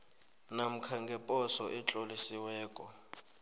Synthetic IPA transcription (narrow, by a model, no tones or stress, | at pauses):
nam̩kʰaŋɡʱɛpʼɔsɔʔɛt͡ɬʼolisiwɛːkʼɔ